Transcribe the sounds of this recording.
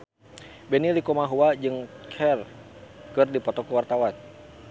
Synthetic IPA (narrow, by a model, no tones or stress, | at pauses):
bɛnilikɔmaɦuwad͡ʒɨŋkʰɛrkɨrdipɔt̪ɔkuwart̪awan